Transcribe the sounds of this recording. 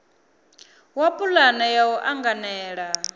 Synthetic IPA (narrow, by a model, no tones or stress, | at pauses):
wapʼulanajawɔʔaŋɡanɛːɺa